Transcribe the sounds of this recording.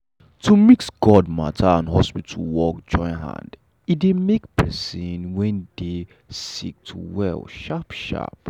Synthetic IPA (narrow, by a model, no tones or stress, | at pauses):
tʰumiksɡɔd̚matʰaãnɦɔspitʰṵwɔkd͡ʒɔ̃ɪ̃nɦã̰nd | idemekpʰɛsĩnwɛ̃nde | sik̚tʰuwɛ̰lʃapʃa̰p̚